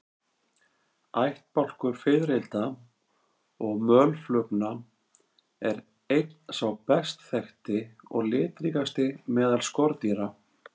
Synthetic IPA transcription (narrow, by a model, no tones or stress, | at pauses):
ajht̪̚pawl̥kʏɾ̥fɪðɾɪlt̪a | ɔɣmœːlflœkna | ɛɾ | ejt̪n̥sawpɛst̪θɛxt̪ɪɔɣlɪːt̪ɾikast̪ɪmɛːðalskɔɾt̪iɾa